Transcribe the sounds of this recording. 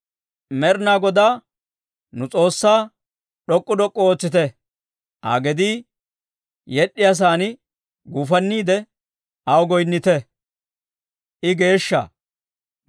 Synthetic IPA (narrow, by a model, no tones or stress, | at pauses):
mɛɾnaːɡɔd̪aː | nʊt͡sʼo̞ːsːaː | ɗɔkʼːʊd̪ɔkʼːɔoːt͡sːɪt̪ɛ | a̰ːɡɛd̪i | jɛɗːɪjas̬aːnɪ | ɡuːfɐnːiːd̪ɛ | ɐwɡɔjnːɪt̪ɛ | ʔɪɡe̞ːʃːa̰